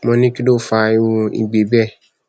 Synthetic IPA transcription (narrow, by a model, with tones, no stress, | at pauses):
mɔ̃˧nĩ˦ki˦do˦˨fa˧˨i˦wo˧ḭ˧ɡ͡be˨bɛ˦˨